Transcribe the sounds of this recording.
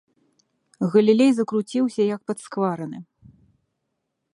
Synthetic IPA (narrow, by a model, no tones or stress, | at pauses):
ɣɐlʲilʲejzɐkɾut͡sʲiwsʲɐjɐk̚pɐt̪skvaɾɐnɨ